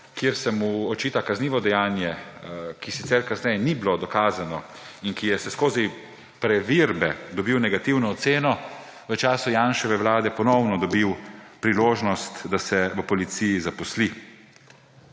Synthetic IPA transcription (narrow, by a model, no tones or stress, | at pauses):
kjiəɾsɛmuɔt͡ʃiːt̪akazniːʋɔd̪ɛjaːnjɛkisit̪sɛɾkaznɛjɛnibilod̪ɔkaːzanɔ | inkijɛsɛskoːzi | pɾɛʋiɾbɛd̪ɔbiwnɛɡat̪iwnɔːt̪seːnɔ | ʋət͡ʃaːsujaːnʃɛʋɛwlaːd̪ɛpɔnɔwnɔd̪ɔbiwpɾiloːʒnɔst̪d̪asɛʋəpɔlit̪sijizapɔsli